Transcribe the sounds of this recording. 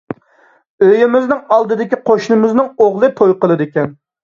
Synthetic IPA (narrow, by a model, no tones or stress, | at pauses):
øjɪmɪznɪŋɑlˠd̪ɨd̪ɪkʲiqʰoʃnɨmɪznɪŋoʁlˠɨt̪ʰojqəlˠɨd̪ɪkʲɛn